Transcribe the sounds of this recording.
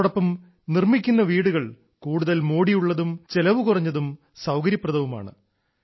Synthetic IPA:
ɽɐpːɐm | nirmikʲːunːɐʋiːɽuɣɐɭ | kuːɽuðɐlmoːɽijuɭːɐðumt͡ɕe̞lɐʋukurɐɲːɐðum | sɐwkɐɾjɐpːrɐðɐʋuma̰ːɳɨ̰

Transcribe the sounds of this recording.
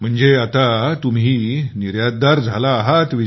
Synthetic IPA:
m̤əɳd͡zeat̪at̪umɦiːniɾjad̪̚d̪aɾd͡zʱalaːɦat̪ʋi

